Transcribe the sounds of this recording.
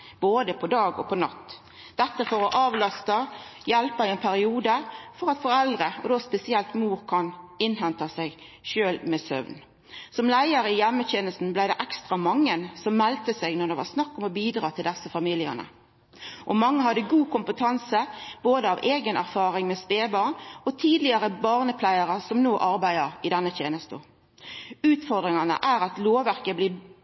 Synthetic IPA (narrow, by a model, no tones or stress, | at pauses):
b̥oːd̪əpʰɔd̪ɑːɡɔ̰pʰɔnɑt̪ː | d̪̥ɛt̪ːəfɔɾɔʔɑːʋlɑst̪əjɛlpəɪɛnpʰæɾɪuːd̪əfɔʁɑt̪fɔɾɛld̪ʁəɔ̰d̪ospɛsɪɛlt̪muːɾkʰɑnɪnɦɛnt̪ɑsæɪɡ | ʃøːlmesœ̰ʋn | sɔmlæɪəɾɪjɛmːətɛnəlsn̩blæɪd̪ɛʔækst̪ʁɑmɑŋːənsɔmːɛlt̪əsɛɡnɔʁd̪ɛʋɑʁsnɑkːɔmɔbiːd̪ɾɑːt̪ʰɪld̪ɛsːəfɑmiːlɪə̰nə̰ | ʔɔmɑŋːəɦɑd̪əɡuːkʊmpət̪ʰɑnsəb̥oːd̪əɑʋeːɡənʔæɾfɑːɾɪŋmɛːsp̪eːbɑːʁɳɔt̪ʰiːd̪lɪəɾəbɑʁnəpʰlæɪəʁəsɔmnoːʔɑɾbæɪɑɪd̪ɛnːət̪ʰjeːnəst̪o̰ | ʉːt̪fɔʁd̪ɾɪŋɑnə̰ʔæɾɑt̪loːʋæʁkəblɪː